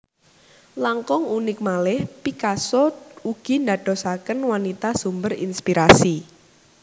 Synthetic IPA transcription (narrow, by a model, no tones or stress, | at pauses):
laŋkɔŋunɪk̚malɪhpikasɔuɡ̥i̤nd̪a̤ɖ̥ɔ̤sakənwanit̪asumbərḭnspiɾasi